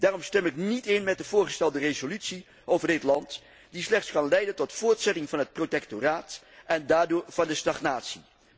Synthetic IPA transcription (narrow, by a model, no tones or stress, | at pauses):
d̥aːrɔmstɛmɪknitɪnmɛt̚dəv̥ʊːɹχəstɛlˠdərezolytsi | ʔowvəɹdɪtlɑnt | dislɛχtskɑnlɛjdəntɔtfʊːɹtsɛtɪŋvɑnɦət̚protɛktoraːt | ʔɛndaːdʊːɹv̥ɑndəstɑχnaːtsi